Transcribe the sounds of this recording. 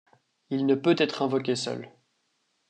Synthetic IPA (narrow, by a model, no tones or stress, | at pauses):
ilnəpøt̪ɛt̪χɛ̃vɔkʲesœ̰l